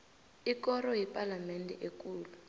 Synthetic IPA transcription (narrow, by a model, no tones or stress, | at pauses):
ikɔɾɔɦipʼalamɛndʱɛ̰ʔek̬ʼuːlu